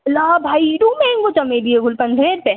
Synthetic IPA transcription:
laːbʱaːiɖuːmẽɪŋkot͡ʃɐmed̪ieɡʊlpɐ̃nd̪ʱɾeɾpe

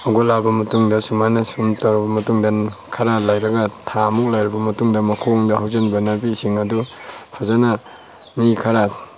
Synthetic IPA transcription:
aɡolabɐmɐtuŋdɐsumanɐsumtaɾbɐmɐtuŋdankʰaɾalajɾɐɡatʰamuk̚lajɾabɐmɐtuŋdɐmɐkʰoŋdɐhawzenbɐnabisiŋɐdupʰazana | mikʰɐɾa

